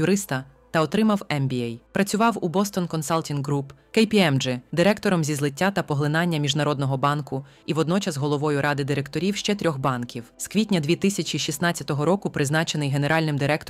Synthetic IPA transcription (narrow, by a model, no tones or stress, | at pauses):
jʊɾɪst̪ɐ | t̪ɐɔt̪ɾɪmɐwɛmbʲiɛjpɾɐt͡sʲʊʋɑwubɔst̪ɔnkɔnsalˠtʲinɦɾupkɛjpʲiɛmd͡ʒɪd̪ɪɾɛkt̪ɔɾɔmzʲizlˠɪtʲːat̪ɐpɔɦlˠɪnɑnʲːɐmʲiʒnɐɾɔd̪nɔɦɔbɑnkʊ | iʋɔd̪nɔt͡ʃɐzɦɔlˠɔʋɔjʊɾʔɑd̪ɪd̪ɪɾekt̪ɔɾʲiwʃt͡ʃɛt̪ɾʲɔxbɑnkʲiwskʋʲitʲnʲɐd̪ʲʋʲit̪ɪsʲɐt͡ʃiʃʲisnɑtt͡sʲjɐt̪ɔɦɔɾɔkʊpɾɪznɑt͡ʃenɪjɦe̞neɾɑlʲnɪmd̪ɪɾɛkt̪